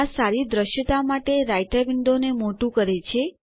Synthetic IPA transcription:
asaɾid̪ɾəʃjət̪amaʈeɾajʈabɪɳɖ̪onemoʈũkəɾet͡ʃʰe

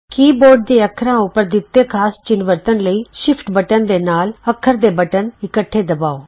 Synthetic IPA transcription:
kiːboːɾɖ̚d̪eːəkʰɾãːʊpəɾd̪ɪt̪ːeːkʰaːst͡ʃɪnʋəɾt̪ənləiːʃɪpʰʈbəʈənd̪eːnaːləkʰːəɾd̪eːbəʈənɪkəʈʰːeːd̪əbaːoː

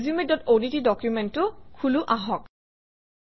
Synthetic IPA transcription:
zumedɔtonitidɔkjumɛntːʊkʰuluʔaɦɔk

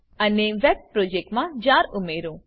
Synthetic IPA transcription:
əneʋɛb̚pɾod͡ʒek̚ʈmãd͡ʒaːɾumeɾũ

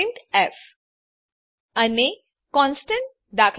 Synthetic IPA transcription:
ɳʈef | əne | kɔ̃nsʈə̃ɳʈ̚ | d̪akʰ

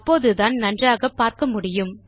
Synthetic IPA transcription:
pːoːðɯðaːnnɐndraːɣɐpːaːɾkɐmʊɽɪjɯm

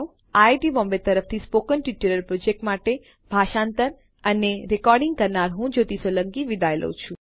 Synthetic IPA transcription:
ajʈibɔmbet̪əɾəft̪ʰispokənʈiʈuɾəɾpɾod͡ʒek̚ʈmaʈe | bʱaʃãnt̪əɾ | əneɾekɔɾɖiŋɡ̚kəɾnaɾɦũd͡ʒot̪isələŋkiʋid̪ajlə̰wt͡ʃʰũ

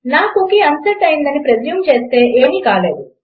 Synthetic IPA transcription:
naːkokeɐnsɐɾʈɐjind̪ɐnipɾed̪jumt͡ʃe̞ːst̪e̞ːʔeːmikaːle̞ːd̪u

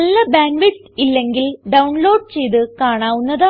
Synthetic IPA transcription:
ɐlːɐbaːŋɡʋisilːe̞ŋɡilɖɐwuɳlo̞ːɖ̚t͡ɕe̞jðɨkaːɳaːʋunːɐðɐ

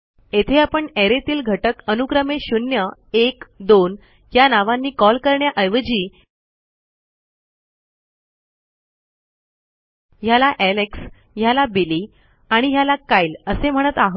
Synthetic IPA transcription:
et̪ʰeapəɳeɾet̪iːlɡʱəʈəkənukɾəmeɕunjəekd̪on | janaʋãnːiːkɔlkəɾɳjaʔəjʋəd͡ʑiː | jalaʔɛleks | jalabiliː | aɽ̃ijalakailəsem̤əɽ̃ət̪aɦ

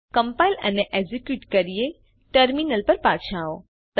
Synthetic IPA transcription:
kəmpailə̰neʔezikjuʈkəɾije | ʈəɾminəlpəɾpaʃʰão | t̪

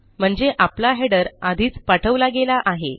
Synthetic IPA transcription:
m̤əɳd͡zeʔaplaɦeɖəɾad̪ʱiːt͡spaʈʰəʋlaɡelaʔaɦe

